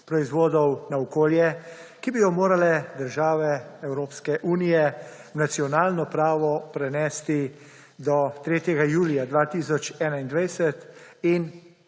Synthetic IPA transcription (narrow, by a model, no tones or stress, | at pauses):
pɾɔizʋoːd̪ɔwnaɔkoːljɛkibijɔmoːɾalɛd̪əɾʒaːʋɛɛwɾoːpskɛʔuːnijɛ | wnat̪siɔnaːlnɔpɾaːʋɔpɾɛnɛːst̪i | d̪ɔt̪ɾeːt̪jɛɡajuːlijad̪ʋaːt̪iːsɔt͡ʃɛːnaind̪ʋajsɛt̪in